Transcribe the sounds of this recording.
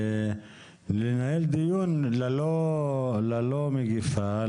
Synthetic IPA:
lenaeld̪ijunlalo | lalomeɡifa

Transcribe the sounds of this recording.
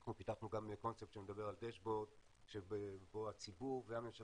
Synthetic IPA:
χnupit̪aχnuɡameko̞nt͡sep̚tʃemed̪abe̞ʁald̪eʃbo̞d̪ | ʃebeboat͡sibuʁveame̞mʃa

